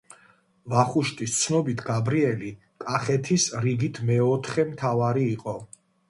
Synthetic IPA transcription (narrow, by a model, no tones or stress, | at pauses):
vaχuʃt̪ʼist̪sʰnɔbit̪ʰɡabɾiɛli | kʼaχɛt̪ʰisɾiɡit̪ʰmɛɔt̪ʰχɛmt̪ʰavaɾiːqʼɔ